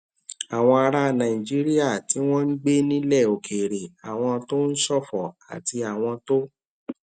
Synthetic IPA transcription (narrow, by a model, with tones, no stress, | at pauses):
a˨w̃ɔ̃˧a˧ɾa˧nã˨ĩ˨d͡ʒi˦ɾi˦a˦˨ti˨˦w̃ɔ̃˦n̩˦ɡ͡be˦nĩ˦lɛ˦˨o˨kʰe˨ɾe˨a˨w̃ɔ̃˧to˦n̩˦sɔ˦˨fɔ˨a̰˨ti˧a˨w̃ɔ̃˧to˦